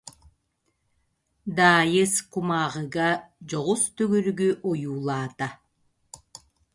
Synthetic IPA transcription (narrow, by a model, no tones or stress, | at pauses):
d̪aːjɯskumaːʁɯɡad͡ʑɔʁust̪yɡyɾɡyʔɔjuːlˠaːt̪a